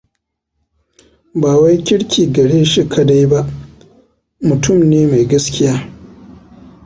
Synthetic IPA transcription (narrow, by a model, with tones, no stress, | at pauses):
baː˨wa˦jkʲɪ˦ɽkʲiː˨ɡɐ˨ɽeː˦ʃi˦kʰa˦da˦jba˦ʔ | mʊ˨tʰʊ˦˨mneː˦ma˨jɡɐ˦skʲɪ˦jaː˦